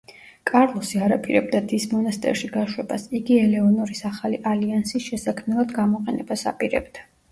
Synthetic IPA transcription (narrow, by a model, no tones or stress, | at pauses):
kʼaɾlˠɔsiaɾapʰʼiɾɛ̰b̚d̪ad̪ismɔnast̪ʼɛ̰ɾʃiɡaʃwɛba̰siɡiɛlɛɔnɔɾisaχaliʔaliansisʃɛsakʰmnɛlˠad̪ɡamɔqʼɛnɛbasa̰pʼiɾɛ̰bd̪̥a